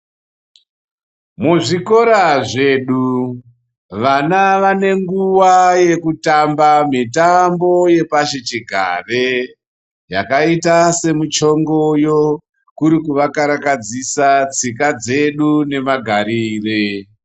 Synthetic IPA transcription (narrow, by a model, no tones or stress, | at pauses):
muʐiko̞ɾaʐe̞ːɗu | ʋanaʋane̞ŋɡuwaje̞kutambamitambo̞je̞paʃet͡ʃiɡʱa̰ʋe̞ | jakaitase̞mut͡ʃo̞ŋɡo̞jo | kuɾikuʋakaɾakad͡zisat͡sikad͡ze̞ɗune̞maɡʱaɾire